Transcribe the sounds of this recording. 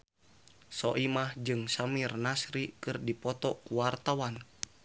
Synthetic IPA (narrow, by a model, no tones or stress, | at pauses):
sɔʔimahd͡ʒɨŋsamirnasɾikɨrdipɔt̪ɔkuwart̪awan